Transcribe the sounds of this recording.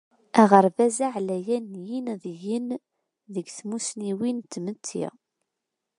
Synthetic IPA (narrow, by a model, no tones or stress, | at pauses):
æʁəɾvæzaʕlæjænjinðjən | ðəɡθmusniwint̪ːmət̪ʰːḭ